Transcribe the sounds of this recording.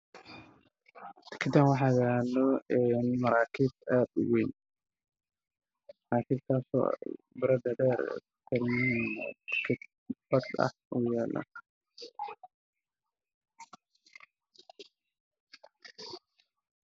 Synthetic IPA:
t̪ʰɪ̥kʰɐt̪ʰaːnwɑħɑːɣalɔɛnmɐɾaːkʰiːbad̪wen | mɐɾaːkʰiːbkʰaːsɔ̰ːbɾɐd̪ɐdɛr̰ | tʰɐɾjɪːin̰d̪ɪ̥kʰɐt̪̚ | bɐd̪ɐ̰hujaːlɐ̰

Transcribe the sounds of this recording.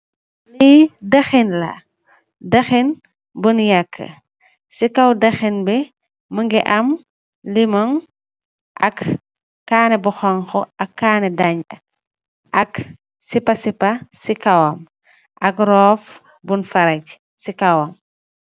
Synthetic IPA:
lijdɐxinlɐ̰ | dɐxin | bunjɐkʰːə̰ | sikɐwdɐxinbɛ | məŋɡɛʔɐm | limɔŋ | ʔɐ̰kː | aːnɛbuxɔŋxɔɐkːaːnɛdɐɲɐ̰ | ʔɐk | sipɐsipɐsikɐwɐm | ʔɐkɾɔːf | bunfɐɾɐc | sikɐwɐm

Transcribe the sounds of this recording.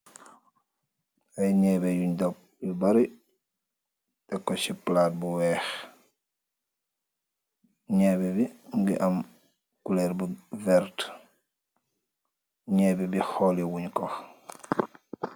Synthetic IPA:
ajɲɛbɛjuɲdɔp̚jubaɾi | tɛkːɔsiplaːt̚buwɛːx | ɲɛːbɛbiŋɡḭʔam | kulɛɾbuvɛɾt | ɲɛːbɛbixɔːliwuɲkɔx

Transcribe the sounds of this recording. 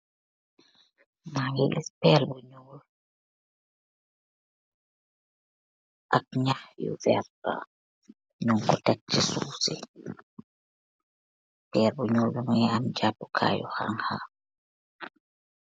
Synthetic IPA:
majilispɛlbɔɲuːl | ʔak̚ɲahjṵvɛ̰rda̰ | ɲuŋkɔtat͡ʃːisuːsḭ | pɛlbuɲɔːlbɔmɔjɛamd͡ʒapːɔ̥kʰa̰ːjɔ̰ha̰ŋha

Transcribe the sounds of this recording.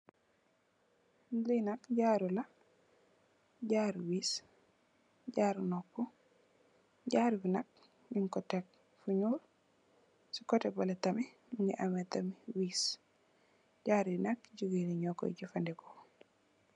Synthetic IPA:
linakɟaːɾula | ɟaːɾwiːs | ɟaːɾnɔkːɔ | ɟaːɾwinak̚ | niŋkɔtɛk̚ | fuɲuɾ | si̥kɔtɛbaletami | muŋɡiʔamɛtamiwiːs | ɟaːɾnak̚ɟuɡiniɲɔkːɔ̰ɟifandɛkɔ̥

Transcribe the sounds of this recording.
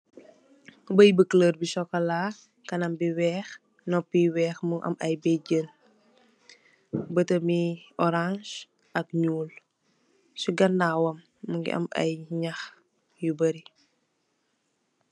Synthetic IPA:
bəjbəkləːrbisɔkːɐlaː | kɐnɐmbiwɛːx | nɔpːiwɛːxmuŋʔɐ̰mɐjbɛɟən | bətəmiɔɾãʃ | ʔɐk̚ɲuːl | suɡɐnːaːwɐmː | əŋɡḭʔɐ̰mɐ̰jɲax | jubəɾi

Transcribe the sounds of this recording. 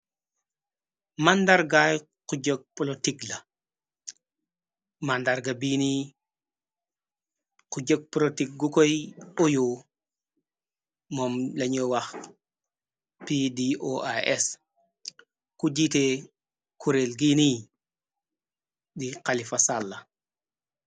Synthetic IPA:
mandaɾɡaj | quɟok̚plotiɡla | mandaɾɡabini | kuɟok̚plotik̚ɡukojojo | mɔmlɐɲowax | pidiʔoa̰ɛs | kud͡ʒite | kʰuɾelɡini | diqalifasalːɐ

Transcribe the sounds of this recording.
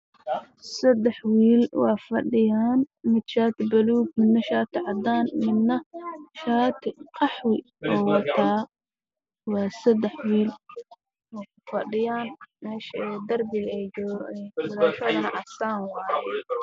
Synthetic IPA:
sɐd̪ɛħwiːlwɑːfɐɖɪjaːnmɪd̪ʃaːt̪ɪbɐluːɡ̚mɪnnːɐʃaːt̪ʰɪʕɑd̪aːnmɪnːɐʃaːt̪ʰɪqɑħwɪ | ɔːwɑt̪ʰaː | wɑːsɐd̪ɛħwiːl | ɔːkʊfɐɖɪjaːnmɛːʃd̪ɐrbɪɣɛjd͡ʒɔwɐlɔːʃɔːðɐnɐʕɑsaːnwɑːjɛ

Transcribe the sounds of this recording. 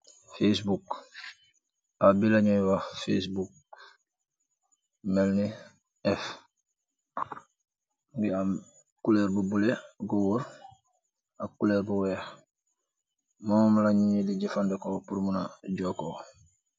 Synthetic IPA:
fes̬buk | abilaɲowafesbuk̚ | melni | ɛf | ɡiam | kuleɾbubuleɡowuɾ | akuleɾbuwɛx | mommlaɲɲidiɟifandekopuɾmunaɟoko

